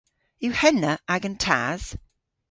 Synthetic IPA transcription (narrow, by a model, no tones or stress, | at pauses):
jəhɛnːəʔaɡə̃ntʰa̰z̥